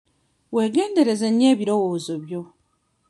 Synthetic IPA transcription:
we̞ːɡe̞ːnde̞ɾe̞zeɲːe̞ːβiɾo̞woːzo̞βjo̞

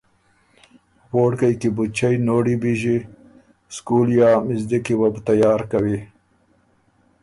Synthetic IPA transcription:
woːɽkəjkibut͡ʃajnoːɽibiʒi | skuljɑmɪzd̪ikiwabt̪ajɑːɾkawi

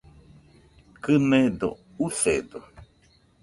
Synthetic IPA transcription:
kɨned̪o̰ | uθed̪o

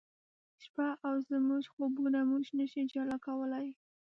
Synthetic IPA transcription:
ʃpaʔawzmuʒxobunamuʒnaʃid͡ʒalakawəlaj

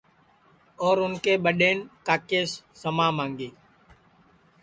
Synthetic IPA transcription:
ɔːɾʊnkeːɓəɗeːnkaːkeːsːəmaːmãːŋɡeː

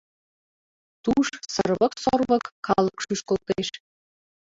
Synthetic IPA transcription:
t̪uʃsərβə̆ksorβɤ̆kːɑlˠə̆kʃyʃkolt̪eʃ

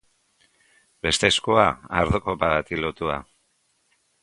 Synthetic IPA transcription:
be̞st̪e̞skoaaɾðuko̞paɣat̪ilot̪ua̰

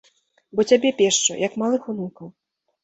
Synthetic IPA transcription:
bɔt͡sʲabʲɛpʲɛʂt͡ʂṵjɐkmalˠɨxunukɐw

